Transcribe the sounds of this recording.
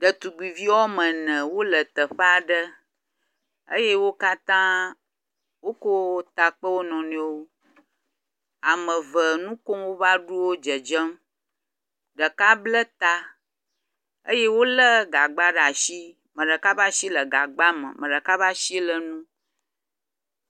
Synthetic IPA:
ɖə˨t̪u˨ɡ͡bi˨vi˦wɔ˦mə˨nə̃˨wo˦lə˨t̪ə˨ɸə˦a˦˨ɖə˦ | ə̰˦je˦wo˦ka˦t̪ã˦ | wo˦ko˦t̪a˨k͡pə˦wo˦nɔ̃˨nẽ˦wo˦ | a˨mə̃˨və˨nũ˦ko˦wo˦va˦ɖu˦wo˦d͡ʒə˨d͡ʒə˦m | ɖə˨ka˦blə˦t̪a˦ | ə̰˦je˦wo˦lə˦ɡa˨ɡ͡ba˦ɖa˨ʃi˦ | mə̃˨ɖə˨ka˦ba˦ʃi˦lə˨ɡa˨ɡ͡ba˦mə̰̃˨mə̃˨ɖə˨ka˦βa˦ʃi˦lə˨nũ˦

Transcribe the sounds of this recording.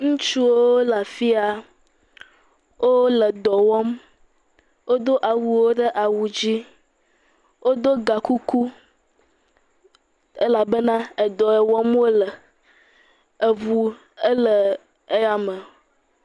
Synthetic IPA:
ŋũ˦t͡ʃu˦wo˦la˨fi˦a˨ | wʔo˦lə˨d̪ɔ˨wɔ˦m | wo˦d̪o˦ʔa˨wu˨wo˦ɖə˦ʔa˨wu˨d͡ʑi˦ | wo˦d̪o˦ɡa˨ku˦ku˦ | e˦la˨bə˦nã˦e˨d̪ɔ˨ɛ˨wɔ˦m˦wo˦lə˨ | ə˨vu˨ | ə˦lə˨ | e˦a˦mə̃˨

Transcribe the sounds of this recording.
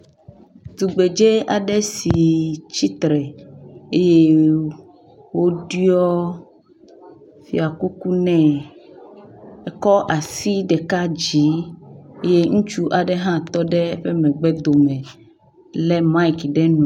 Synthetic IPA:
d̪u˨ɡ͡be˨d͡ʒe˦a˨ɖɛ˦si˨t͡ʃi˦t̪ɾɛ˨e˦je˦ | wo˦ɖi˦ɔ˦ | fḭ˨a˨ku˦ku˦nɛ̃˦ | ɛ˦kɔ˦ʔa˨si˦ɖɛ˨ka˦d͡ʑi˨˦e˦je˦ŋũ˦t͡ʃu˦ʔa˨ɖɛ˦ɦã˦t̪ɔ˦ɖɛ˦ɸe˦mɛ̃˨ɡ͡bɛ˦d̪o˨mɛ̃˨ | lɛ˦ma˦i˨kɖɛ˦nũ˨

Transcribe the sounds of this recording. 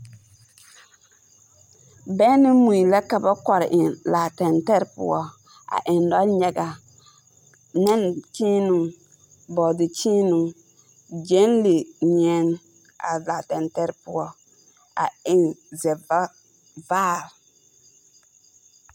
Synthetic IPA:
bɛ˦nɪ˦mu˨i˨la˦ka˦ba˦kɔ˨ɾɪ̰˨ʔɪ˨nlaː˨tɛ˨ntɛ˦ɾpʊ̰˦ɔ˦ | a̰˨ʔɪ˨ndɔ˦ɲɛ˨ɡa˨ | nɛ˦nt͡ʃiː˦nu˨ŋ | bɔ˨dɪ˨t͡ʃiː˦nu˨ŋ | d͡ʒɛ˦nle˨ɲɛ˦ŋ˦ | a̰˨la˨tɛ˨ntɛ˦ɾpʊ˦ɔ˦ | a̰˨ɪ˦nzɛ˨va˦ | vaː˦˨l

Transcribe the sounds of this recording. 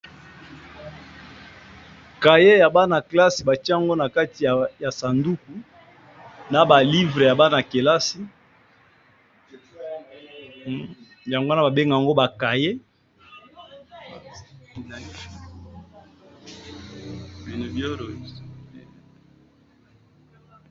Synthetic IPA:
ka˨je˦ja˨ba˦na˨kla˦si˨ba˨t͡ʃi˦a˦a˨ŋɡo˦na˨ka˦ti˨ja˨sa˨ndu˦ku˨ | na˨ba˨li˦vʁe˨ja˨ba˦na˨ke˨la˦si˦ | ja˨ŋɡo˦na˨ba˨be˦ŋɡa˨ja˨ŋɡo˦ba˨ka˨je˦ | i˨no˨bjo˦ɾo˨

